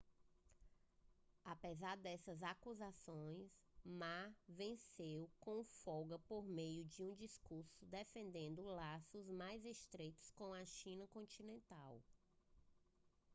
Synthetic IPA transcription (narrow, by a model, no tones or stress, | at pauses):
apezaɾd̪ɛsɐzakuzasõj̃smavẽsewkõfɔɡɐpoɾmejʊd͡ʒɪũd͡ʒiskuɾsʊd̪efẽnd̪ẽnd̪ʊlasʊzmajzeʃt̪ɾejt̪ʊ̥skõw̃ɐʃĩnɐkõnt͡ʃĩnẽnt̪aw